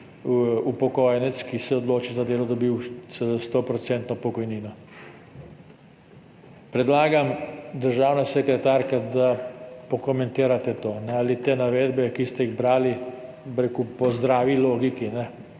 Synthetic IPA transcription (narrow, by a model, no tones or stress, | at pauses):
upɔkɔːjɛnɛt̪skisɛɔd̪loːt͡ʃizad̪eːlɔd̪ɔbiwsst̪opɾɔt̪sɛnt̪nɔpɔkɔjniːnɔ | pɾɛd̪laːɡamd̪əɾʒaːwnasɛkɾɛt̪aːɾkad̪apɔkɔmɛ̃nt̪iːɾat̪ɛt̪oːnɛalit̪eːnaʋeːd̪bɛkist̪ɛiɣbɾaːli | bɾekupɔzd̪ɾaːʋiloːɡikinɛ